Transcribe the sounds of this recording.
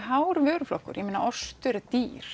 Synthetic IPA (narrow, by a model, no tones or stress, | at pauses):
ɦaːwɾvœːɾʏflɔ̰hkʏ̰ɾjɛmɪna̰ʔɔst̪ʏɾt̪iːɾ̥